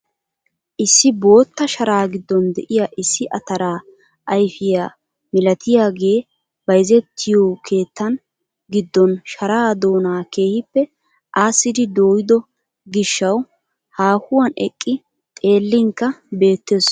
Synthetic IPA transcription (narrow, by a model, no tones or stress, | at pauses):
ʔɪsːɪbo̞ːt̪ːɐʃɐɾaːɡɪd̪ːɔnd̪ɛʔɪjaʔɪsːɪʔɐt̪ɐɾaː | ʔɐjfɪjaː | mɪlɐt̪ʰɪjaːɡe̞ː | b̥ɐjzɛt̪ʰːɪjoːkʰe̞ːt̪ːɐn | ɡɪd̪ːɔnʃɐɾaːd̪o̞ːnaːke̞ːhɪpːɛ | ʔaːsːɪd̪ɪd̪o̞ːjɪd̪ɔ | ɡɪʃːɐw | haːhʊwɐnɛ̰kʼːɪ | t̪ʼe̞ːlːɪŋkːɐbe̞ːt̪ːeːs